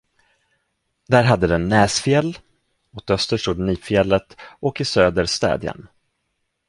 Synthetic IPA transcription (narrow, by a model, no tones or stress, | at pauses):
d̪æːɾɦad̪ːəd̪ɛnːɛːsfɪɛlː | ɔt̪œst̪əʂt̪ud̪niːfɪɛlːət̪ʔɔkɪsøːd̪əɾst̪ɛ̰ːd̪jə̰n